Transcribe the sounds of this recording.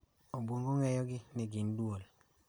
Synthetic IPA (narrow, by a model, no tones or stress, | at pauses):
obwoŋɡoŋɛjɔɡɪnɪɡɪndwol